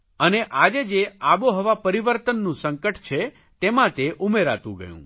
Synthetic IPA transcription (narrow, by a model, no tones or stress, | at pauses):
əneʔad͡ʒed͡ʒeaboɦəʋapəɾiʋəɾt̪ənːũsəŋkəʈt͡ʃʰe | t̪emãt̪eʔumeɾa̰t̪ṵ̃ɡə̰jṵ̃